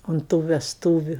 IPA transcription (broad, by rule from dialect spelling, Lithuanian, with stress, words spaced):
ʊnt tuː ʋʲɛsˈtuːʋʲʊ